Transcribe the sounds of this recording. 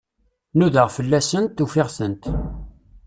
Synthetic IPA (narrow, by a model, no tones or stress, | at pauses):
nuðəʁfəlːæsənt̪ːufɪʁsənt̪